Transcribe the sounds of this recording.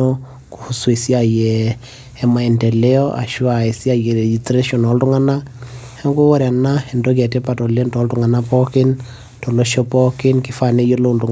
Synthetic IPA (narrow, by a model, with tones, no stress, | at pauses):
o | ku̥˨hu˨swe˨si˦ajɛː | ma˨ɛ˨nde˨le˦ɔ˦ʔa̰˨ʃu˦a˨e˨si˦a˦je˨ɾe˨d͡ʒi˨stɾe˦ʃɔ˨nɔ˨˦ltu˦ŋa˦na˦hɛ˦ŋɡo˦wo˦ɾja˨na˦e˨ndo˦k̬ɛ˨te˦pa˨to˨lendɔ˦ltuŋa˨napɔ˦kɪ˦n | tɔ˨loʃɔ˦pɔ˦kɪ˦nki˦fa˨ne˦jo˦lo˦ntu˨ŋ